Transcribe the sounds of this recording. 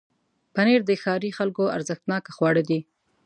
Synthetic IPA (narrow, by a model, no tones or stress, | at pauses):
paneɾd̪əxɑɾixalkoa̰ɾzəxt̪nɑkaxwɑɽəd̪i